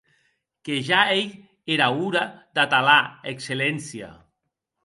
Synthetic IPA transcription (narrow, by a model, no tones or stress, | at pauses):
keʒaej | eɾauɾad̪at̪alaekselɛnsia̰